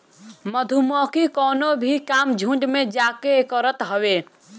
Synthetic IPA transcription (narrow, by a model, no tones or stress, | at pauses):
məd̪ʱumɔːkikɔːnobʱikaːmd͡ʒʱũɳɖmẽd͡ʒaːkekəɾət̪ɦəʋe